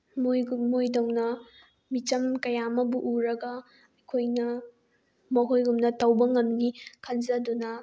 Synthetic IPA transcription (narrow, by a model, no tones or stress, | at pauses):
mojɡmojdɐwnɐ | mit͡ʃɐmkɐjamɐbuʔuɾɐɡɐ | ɐjkʰojnɐ | mɐɦojɡumnɐtɐwbɐŋɐmnikʰɐnzɐdunɐ